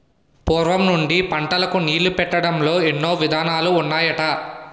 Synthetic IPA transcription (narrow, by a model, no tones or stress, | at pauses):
poːɾʋɐmnuɳɖipɐɳʈɐlɐkuniːlupɛʈːɐɽɐmlo̞ːenːo̞ːʋid̪ʱaːnaːluːnːaːjɐʈɐ